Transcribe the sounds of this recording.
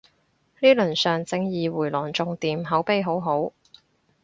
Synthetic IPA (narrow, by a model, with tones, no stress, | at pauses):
niː˥lɵ˨˩nsœː˨ŋt͡sɪ˧ŋjiː˨wuː˨˩jlɔː˨˩nt͡sʊ˨ŋt̪iː˨mɦɐ˨˥wpe˧jɦo˨˥wɦo˨˥w